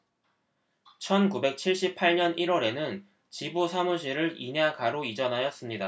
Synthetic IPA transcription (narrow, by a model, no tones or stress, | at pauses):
t͡ɕʰʌnkube̞k̚t͡ɕʰiɭɕ͈ipʰaɭɲʌniɾwʌɾe̞nɯn | t͡ɕibusʰamuɕʰiɾɯɾiɲeakaɾoid͡ʑʌnɦajʌs͈ɯmɲida